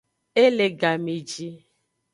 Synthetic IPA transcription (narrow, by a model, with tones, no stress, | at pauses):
e˦le˨ɡa˨mi˨d͡ʒi˦